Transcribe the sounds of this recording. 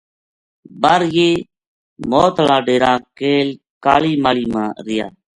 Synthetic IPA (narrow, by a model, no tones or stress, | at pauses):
bəɾjeː | moːt̪lãːɖeːɾãːkeːl | ka̰ːliːmaːliːmãːɾɪja̰ː